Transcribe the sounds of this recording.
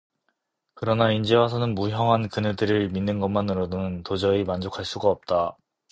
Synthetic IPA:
kɯɾʌnaind͡ʑewas̬ʰʌnɯnmuɦjʌŋɦankɯnedɯɾɯɭminːɯnɡʌmanɯɾʌdonɯntod͡ʑʌimand͡ʑokʰaɭs͈uɡaʌp̚t͈a

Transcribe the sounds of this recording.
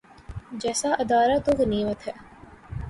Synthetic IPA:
d͡ʒɛːsaʔɐd̪aːɾat̪oɣniːmət̪ɦɛː

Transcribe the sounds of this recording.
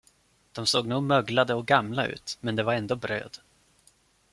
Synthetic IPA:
d̪̥ɔmsoːɡnuːɡmœɡlad̪əɔɡamlaʉ̟̰ːt̪mɛnd̪ɛvaɾɛnd̪oːbɾø̰ːd̪

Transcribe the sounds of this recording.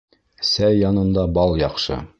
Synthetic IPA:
sæjːɑnɤ̆nd̪ɑbɑlˠjɑqʃɤ̰

